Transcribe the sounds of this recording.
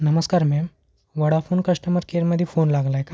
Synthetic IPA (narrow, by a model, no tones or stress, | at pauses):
nəməskaɾmɛm | ʋəɽafonkəʂʈəməɾkeɾməd̪ʱːjifonlaɡlaeka